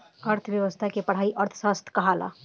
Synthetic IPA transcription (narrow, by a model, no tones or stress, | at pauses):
əɾt̪ʰʋjəʋəst̪ʰakepəɽ̤aːiʔəɾt̪ʰsast̪ʰkəɦala̰